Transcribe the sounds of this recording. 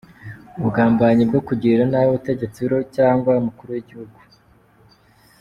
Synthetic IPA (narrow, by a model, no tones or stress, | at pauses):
ubɡaːmbaɲib̚ɡo̞kuɟiɾanajoβute̞ɟe̞t͡siɾocaːŋɡwaumukuɾuwiɟihuɡu